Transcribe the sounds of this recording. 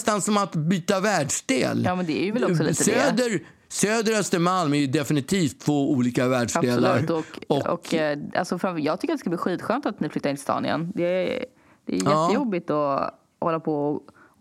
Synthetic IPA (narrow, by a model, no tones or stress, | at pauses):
st̪ansɔmat̪byːt̪avæːɖʂɖ̪ḛːljɑːmɛnd̪ɛæɾjɵvɛlɔksɔlit̪əd̪øːd̪əɾ | søːd̪əɾœst̪əmalmæjɵd̪ɛfɪnɪt̪ʰiːft̪ʰːvoːuːliːkavæːɖʂd̪eːla̰ɾt̪ɔɔkɔ̰ka̰lsɔfɾafjɑːɡ̚t̪ʏkːɾat̪ːɛskablːɧiːt̪ɧøːnt̪at̪nɪflʏt̪ːaɾɪnɪst̪ɑ̰ːnɪ̰ə̰nd̪ɛ | d̪̥ɛ̰ːjjɛːəjɔbːɪt̪ɔ | hɔlːapʰɔ